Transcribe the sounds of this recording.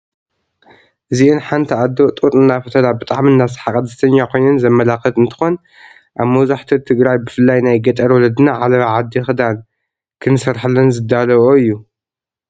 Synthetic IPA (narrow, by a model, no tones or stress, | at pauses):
ʔɨziʔɨnħant̪ʰiad̪ːot̪ʼuɾʼɨnːafɐt̪ʰɐlabɨt̪ʼaʕmɨnːasɨ̥ħakʼɐd̪ɐt̪ʰɐɲːakʰo̞jnɐnzɐmːɐlakɐt̪ɨnt̪ʰɨ̥xo̞n | ʔaβmɐwzaħt̪ʰit̪ʰɨɡɾajbɨfɨlːajnajɡɐt̪ʼɐɾwɔlɐd̪ɨnaʕalɐβaʕad̪ːixɨd̪al | kʰɨnsɐɾħɨlːɐnzɨd̪ːalɐβoɨjːu